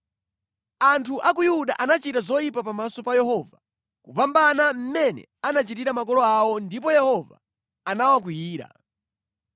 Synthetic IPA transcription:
antʰuʔak̬ujuɗaʔanat͡ʃitazɔjipapamasɔpajɛɦɔva | kuvambanam̩mɛnɛ̰anat͡ʃitiɾamak̬ɔlɔawɔndip̬ɔjɛhɔva̰ | anawak̬wijiːɾa̰

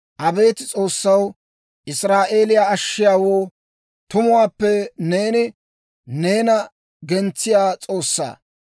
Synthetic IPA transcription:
ʔɐbe̞ːt̪ɪt͡sʼo̞ːsːɐw | ʔɪsɾaːʔe̞ːlɪjaːɐʃːɪjaːwoː | t̪ʊmʊwaːpːɛne̞ːnɪ | ne̞ːnɐ | ɡɛnt͡sːɪjaːt͡sʼo̞ːsːa̰ː

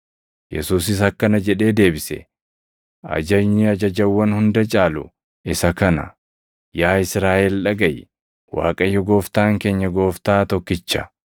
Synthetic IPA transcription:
jɛ̰suːs̬ɪs̬ɐkːɐnɐd͡ʒɛᶑe̞ːd̪e̞ːbɪsɛ̰ | ɐ̰d͡ʒɐɲːɪɐd͡ʒɐd͡ʒɐwːɐnhʊnd̪ɐt͡ʃʼaːlʊ̰ | ɪsɐkɐnɐ̰ | jaːɪsɾaːʔɛlᶑɐɡɐj | wa̰ːkʼɐjːɔɡo̞ːft̪aːŋke̞ːɲːɐɡo̞ːft̪aːt̪ɔkːɪt͡ʃːɐ̥

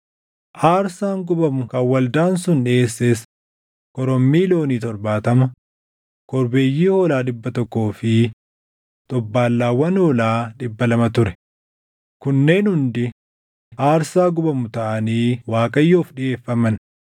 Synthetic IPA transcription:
ʔaːɾsaːŋɡʊbɐmʊkɐwːɐld̪aːnsʊnᶑɪeːsːeːs | kɔɾɔmːiːlo̞ːniːt̪ɔɾbaːt̪ɐmɐ | kɔɾbe̞ːjːiːhoːlaːᶑɪbːɐt̪ɔkːo̞ːfɪ | t̪ʼɔbːaːlːaːwːɐnoːlaːᶑɪbːɐlɐmɐt̪ʊɾɛ̥ | kʊnːe̞ːnhʊnd̪ɪ | ʔaːɾsaːɡʊbɐmʊt̪ɐʔɐniːwaːkʼɐjːoːfᶑɪe̞ːfːɐmɐn

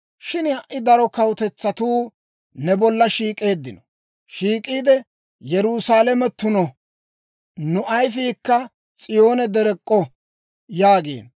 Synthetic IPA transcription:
ʃɪnhɐʔɪd̪ɐɾɔkɐwt̪ɛt͡sːɐt̪uː | nɛbɔlːɐʃiːkʼe̞ːd̪ːɪnɔ | ʃiːkʼiːd̪ɛ | jɛɾusaːlɛmɛt̪ːʊnɔ | nʊʔɐjfiːkːɐ | t͡sʼɪjo̞ːnɛd̪ɛɾɛkʼːɔ | jaːɡḛːn

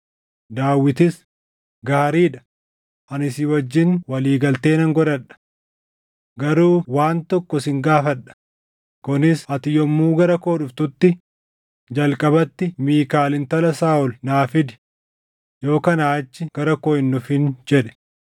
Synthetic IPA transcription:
d̪aːwːɪt̪ɪs | ɡaːɾiːᶑɐ̥ | ʔɐnɪsɪwɐd͡ʒːɪnwɐliːɡɐlt̪e̞ːnɐŋɡɔɾɐᶑɐ̥ | ɡɐɾuːwaːnt̪ɔkːɔsɪŋɡaːfɐᶑɐ̥ | kʊnɪshɐt̪ɪjɔmːuːɡɐɾɐko̞ːɗʊft̪ʊt̪ːɪ | d͡ʒɐlkʼɐbɐt̪ːɪmiːkaːlɪnt̪ɐlɐsaːʔʊlnaːfɪd̪ɪ̥ | jo̞ːkɐnaːt͡ʃːɪɡ̥ɐɾɐkoːɪnːʊfɪnd͡ʒɛᶑɛ̥

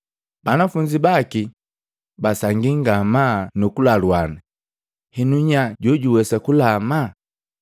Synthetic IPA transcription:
b̥anafuɲd͡ʒibaki | basaŋɡiŋɡamanukulalwana | hɛnuɲaɟɔɟuwɛsakulama

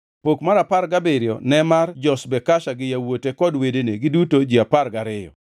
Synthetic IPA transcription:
pokmaɾaparɡabɪɾjɔ̰nɛmard͡ʒɔsbɛkaʃaɡɪjawotekɔdwedeneɡɪdutod͡ʒiaparɡaɾɪjɔ̰

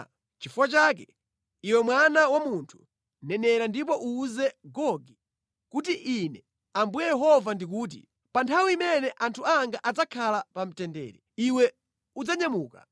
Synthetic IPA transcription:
t͡ʃifuwat͡ʃaːkɛ | iwɛmwanawamuntʰu̥ | nɛnɛɾandip̬ɔʔuːzɛɡɔɡi | kutiʔinɛ | ambujɛjɛɦɔvandik̬uːt̬ḭ | pantʰawiːmɛnɛʔantʰuaŋɡaʔad͡zakʰalapam̩tɛndɛ̰ːɾɛ | iwɛ | ud͡zaɲamuːka

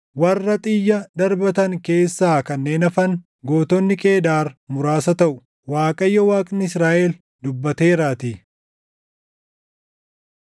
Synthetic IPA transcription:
wɐrːɐt̪ʼɪjːɐd̪ɐɾbɐt̪ɐŋke̞ːsːaːkɐnːe̞ːnɐfɐŋ | ɡoːt̪ɔnːɪkʼe̞ːd̪aːɾmʊɾaːsɐt̪ɐʔʊ | waːkʼɐjːɐwaːkʼnɪɪsɾaːʔɛl | d̪ʊbːɐt̪e̞ːɾaːt̪i

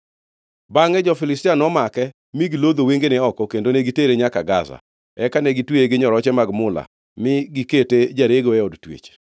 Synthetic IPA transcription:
baŋɛd͡ʒɔfɪlɪstɪanɔmakɛ | miɡilod̪oweŋɡenɛɔkɔkendoneɡiteɾeɲakaɡa̰za̰ | ɛkanɛɡitweeɡɪɲɔɾɔt͡ʃɛmaɡmʊla̰ | mɪɡiketed͡ʒaɾeɡoeodtwḛt͡ʃ

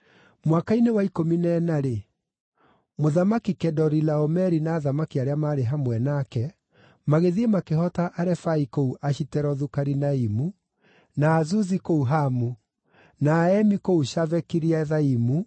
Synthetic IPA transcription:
mwakainewaikominɛnaɾe | moðamakikɛdɔɾilaɔmɛɾinaːðamakiaɾeamaːɾeɦamwɛnakɛ | maɣeðiemakeɦɔtaʔaɾɛfaikouʔaʃitɛɾɔðukaɾinaimu | naːzuzikouɦamu | naːɛmikouʃavɛkiɾiaðaimu

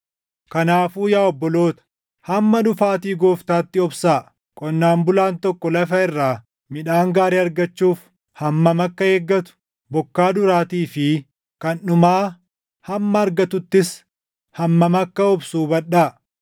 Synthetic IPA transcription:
kɐnaːfuːjaːɔbːɔlo̞ːt̪ɐ̥ | hɐmːɐᶑʊfaːt̪iːɡoːft̪aːt̪ːɪɔbsaː | kʼɔnːaːmbʊlaːnt̪ɔkːɔlɐfɐɪrːaː | mɪᶑaːŋɡaːɾiːɐɾɡɐt͡ʃːuːf | hɐmːɐmɐkːɐheːɡːɐt̪ʊ̥ | bɔkːaːd̪ʊɾaːt̪iːfɪ | kɐnʊmaː | hɐmːɐːɾɡɐt̪ʊt̪ːɪs | hɐmːɐmɐkːɐɔbsuːbɐɗᶑaː

